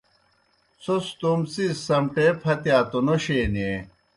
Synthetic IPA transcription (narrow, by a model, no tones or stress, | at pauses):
sost̪umsissɐmʈepʰɐt̪jaːt̪onoɕeːnie